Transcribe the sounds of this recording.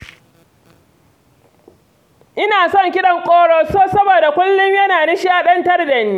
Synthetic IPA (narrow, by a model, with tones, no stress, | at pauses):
ʔɪ˦naː˨sɔ˦ŋkʲɪ˦ɗɐ˨ŋkʷʼoː˦ɽoː˦soː˦sɐ˦boː˨da˨kʷʊ˦lːʊ˦mjɐ˦naː˨nɪ˦ʃi˦ʔa˨ɗɐ˦ntɐ˦rdɐ˨niː˦